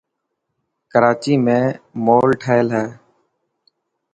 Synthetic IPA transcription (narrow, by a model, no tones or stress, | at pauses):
kəɾaːt͡ʃiːmẽːmoːlʈʰaːɪlɦɛː